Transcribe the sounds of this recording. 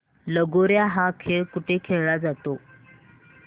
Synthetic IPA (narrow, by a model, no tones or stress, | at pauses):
ləɡoɾjaɦakʰeɭkuʈʰekʰeɭɭad͡zat̪o